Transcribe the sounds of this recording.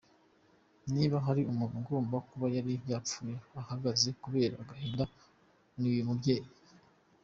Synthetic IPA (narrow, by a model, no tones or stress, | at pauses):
niːβaɦaɾiumuɡo̞ːmbakuβajaɾibjaːp͡fuːjeahaɡaze̞kuβe̞ːɾa̰ɡaɦeːnda | nuujumubɟe̞ːje